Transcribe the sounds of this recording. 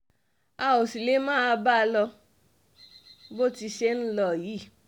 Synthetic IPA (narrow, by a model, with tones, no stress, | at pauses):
a˧o˨si˨le˨˦mãː˦˧ba˦˧lɔ˧ | bo˦ti˧ʃe˦n̩˦lɔ˧˨ji˨˦